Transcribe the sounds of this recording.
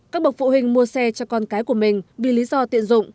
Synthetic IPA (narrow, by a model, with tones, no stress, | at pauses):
kaː˦˥k̚ɓk̚fṵ˧˨hï˨˩ŋ̟mu˧əsɛ˧t͡ɕɔ˧kɔ˧nkaː˨˦jku˧˩əmï˨˩ŋ̟vḭ˧˨li˨˦zɔ˧t̪ḭ˧˨ənzʊ̰˧˨ŋ͡m